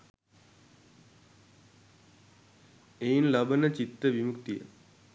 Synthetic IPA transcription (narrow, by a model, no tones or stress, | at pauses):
ejinlɐbənət͡ɕit̪ɾəʋimukt̪ijə̰